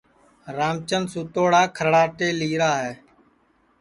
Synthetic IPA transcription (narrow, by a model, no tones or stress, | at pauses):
ɾaːmt͡ʃənsuːt̪oːɽaːkʰəɾɽaːʈeːliːɾaːɦɛː